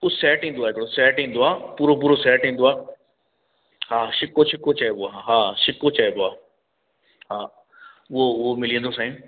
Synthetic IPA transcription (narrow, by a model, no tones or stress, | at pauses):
ʊsɛːʈɦĩːnd̪oaːɪkɪɽosɛːʈɦĩːnd̪oaːpuːɾop̬uːɾosɛːʈɦĩːn̆d̪oaː | haːʃɪkoʃʰɪkːot͡ɕaeboaːaɦaːʃɪkot͡ɕaeboaː | ɦaː | ʊɦoʊɦomɪlĩənd̪osãːĩ